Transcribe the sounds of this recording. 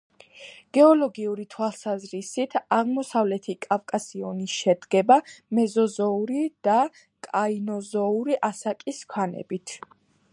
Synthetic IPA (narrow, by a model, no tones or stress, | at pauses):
ɡ̥ɛɔlɔɡiuɾit̪ʰwalˠsazɾisit̪ʰaʁmɔsavlɛt̪ʰikʼafkʼasiɔnisʃɛd̪ɡɛbamɛzɔzɔuɾid̪̥a | kʼainɔzɔuɾiʔasakʼiskʰwanɛ̰bit̪ʰ